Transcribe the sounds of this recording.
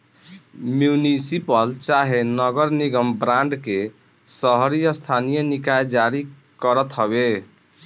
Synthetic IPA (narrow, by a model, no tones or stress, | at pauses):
mjunisipəlt͡ʃaɦenəɡəɾniɡəmbɾãɳɖke | səɦɾijəst̪ʰanijənikajd͡ʒaɾi | kəɾət̪ɦəbe